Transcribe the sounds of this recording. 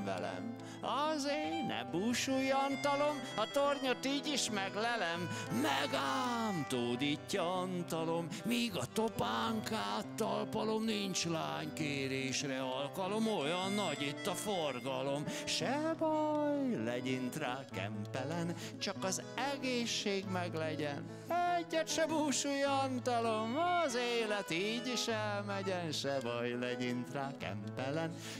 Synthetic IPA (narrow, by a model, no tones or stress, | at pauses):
vɛ̰lɛ̰m | ɒzeːnɛ̰buʃujɒnt̪ɒlo̞m | ɒt̪orɲo̞t̪iːɟiʃmɛɡlɛlɛmːɛɡaːmt̪oːd̪iːcːɒɒnt̪ɒlo̞mːiːɡɒt̪opaːŋkaːt̪ːɒlpɒlo̞mniɲt͡ʃla̰ːɲkeːɾeːʃrɛɒlkɒlo̞mo̞jɒnːɒɟit̪ːɒforɡɒlo̞mʃɛbɒjlɛɟint̪raːkɛ̰mpɛlɛn | t͡ʃɒkɒz | ɛɡeːʃːeːɡmɛɡlɛɟɛn | ɛɟːɛt̪ʃɛmuːʃujɒnt̪ɒlo̞mɒzeːlɛt̪iːɟiʃɛlmɛɟɛnʃɛbɒjlɛɟint̪raːkɛ̰mpɛlɛn